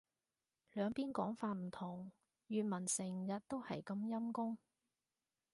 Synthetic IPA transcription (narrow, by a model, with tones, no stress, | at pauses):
lœː˨˧ŋpiː˥nkɔː˨˥ŋfaː˧t̚m̩˨˩t̪ʰʊ˨˩ŋ | jyː˨n̚mɐ˨˩nsɪ˨˩ŋjɐ˨t̚t̪o˥whɐ̰˨jkɐ˧mjɐ˥mkʊ˥ŋ